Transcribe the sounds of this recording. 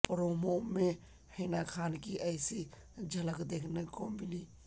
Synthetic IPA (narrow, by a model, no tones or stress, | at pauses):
pɾomome | hənakʰaːnkiʔəɪsi | d͡ʒʱələkd̪ekʰnekoːmbili